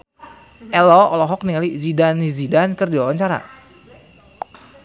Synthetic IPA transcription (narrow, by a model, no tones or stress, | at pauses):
ʔɛlɔɔlɔɦɔk̚niŋalizidanizidankərdiwawaɲt͡ʃaɾa̰